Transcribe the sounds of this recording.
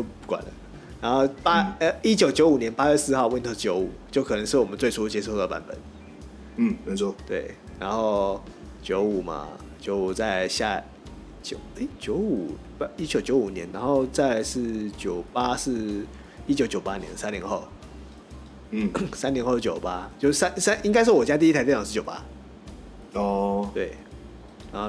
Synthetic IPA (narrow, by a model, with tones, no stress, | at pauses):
t͡ɕo˧pu˥˩kwa̰˨˩nə̰˦ | na˧˦nxo˥˧ʊpa˥ə˦i˦˥t͡ɕjo˨˩ʊt͡ɕjo˧˥ʊu˨˩njɛ˧˦npa˥ɥɛ˥˧sɹ̩˥˧xɑ˥˧ʊwə˥˩nt̪ʰo˥t͡ɕjo˧˥ʊu˨˩˦t͡ɕjo˥˩ʊkʰɤ˨˩nə˧˦ŋʂɻ̩˥˩wɔ˨˩mə˦nt͡swe˥˩ɪʈ͡ʂʰu˦˥t͡ɕjɛ˥ʂo˥˩d̪ə˩pa̰˧˥npə̰˨˩˦n̩˥˩ | m˧˥t̪we˥˩ɪna˧˦nxo˥˩ʊt͡ɕjo˧˥ʊu˨˩ma̰˨˩ | t͡ɕjo˧˥˦ʊu˩t͡sa˥˧ɪɕja̰˥˧ | t͡ɕjo˨˩ʊe˥˩t͡ɕjo˧˦ʊu˨˩ | i˦˥t͡ɕjo˨˩ʊt͡ɕjo˧˥ʊu˨˩njɛ˧˦nna˧˥nxo˥˧ʊt͡sa˥˧ɪʂɻ̩˥˩t͡ɕjo˨˩ʊpa˦sɻ̩˥˧ | i˥t͡ɕjo˧˥ʊt͡ɕjo˨˩ʊpa˦njɛ̰˧˦nsa˥˦nli˧˦nxo˥˩ʊ˥˩ | sa˥nli˧˥nxo˥˧ʂ̩˥˩t͡ɕjo˨˩pa˦˥t͡ɕjo˥˧ʊ˥˧sa˥˦nsa˥nʔi˥ŋk̬a˥ɪʂ̬̩˥˩wɔ˨˩t͡ɕja˥t̪i˥˧˥t̪ʰa˧˥˩s̩˥˩jo˨˩pa̰˦ | ɔ˥˧˩t̪we˥˩ɪ | na˧˥nxo˥˨